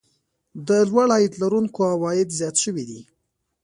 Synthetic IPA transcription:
d̪əlwaɽɑjid̪laɾuŋkoawɑjɪd̪zjɑt̪ʃəwid̪i

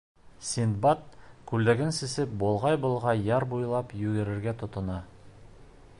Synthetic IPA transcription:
sʲind̪bat̪̚kʉld̪æɡɘnsɘ̆sɘp̚bolˠʁɑjbŏlˠʁɑjɑɾbujlˠɑpjʉɡɘ̆ɾɘ̆ɾɡæt̪ŏt̪ŏnɑ

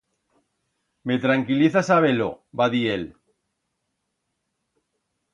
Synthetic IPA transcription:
me̞t̪ɾaŋkiliθasaβelo̰ | baðiel

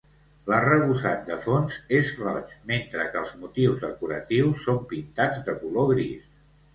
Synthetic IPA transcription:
larəβusat̪̚d̪əfonzezrɔ̰t͡ʃment̪ɾəkəlˠzmut̪iwzðəkuɾə̰t̪iwsːompint̪ad͡zd̪əkuloɣɾis

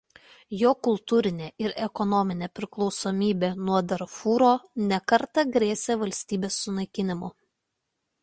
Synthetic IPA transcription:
joːkʊlˠt̪uːɾʲɪnʲeːʔɪɾɛkɔnɔmʲɪnʲeːpʲɾʲɪklˠɔʊsomʲiːbʲeːnuɔd̪ɐɾfuːɾoːnʲɛkɐɾt̪ɐɡɾʲeːsʲeːʋɐlʲsʲt̪ʲiːbʲeːsːʊnɐɪkʲɪnʲɪmʊ

